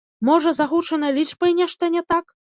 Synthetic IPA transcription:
mɔʐɐzaɣut͡ʂɐnɐlʲit͡ʂbɐinʲɛʂt̪ɐnʲɛt̪ak

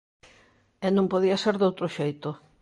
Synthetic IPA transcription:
ɛnõmpoðiɐseɾðowt̪ɾʊʃejt̪ʊ

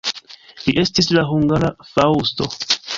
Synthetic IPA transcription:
liʔe̞stislaɦuŋɡaɾafawsto̞̰

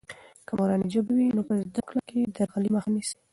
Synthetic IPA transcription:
kamaɾɑnid͡ʒəbawinopəzd̪aklakʰed̪aɾɣaliməxanisi̥

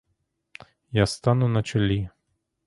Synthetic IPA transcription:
jast̪anʊnɐt͡ʃɔlʲi

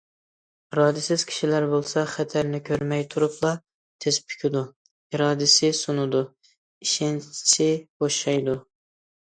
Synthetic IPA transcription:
ɾɑːd̪ɪsɪz̥kʲʰi̥ʃilæɾbolˠsɑχɛt̪ʰæɾnɪkʲʰøɾmɛjt̪ʰuɾuplˠɑ | t̪ʰezpʰy̥kʲid̪u | iɾɑːd̪ɪsɪsunɨd̪u | iʃɪnt͡ʃt͡ʃʰɪboʃɑjd̪u

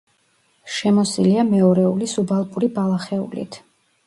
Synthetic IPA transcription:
ʃɛmɔsiliamɛɔɾɛulisubalˠpʼuɾibalˠaχɛṵlḭt̪ʰ

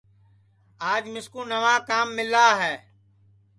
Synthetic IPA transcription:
aːd͡ʒmɪskũːnəʋaːkaːmːɪlaːɦɛː

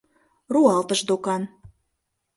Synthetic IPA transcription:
ruɑlt̪əʃd̪okɑn

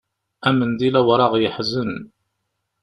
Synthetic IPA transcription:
æmənd̪ilæwɾˤɑʁjəħzən

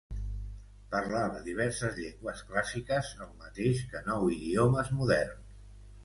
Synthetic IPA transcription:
pəɾlaðəðiβ̞ɛɾsəzʎeŋɡwəsklasikəzəlˠmət̪eʃkənɔwiðioməzmuðɛɾn

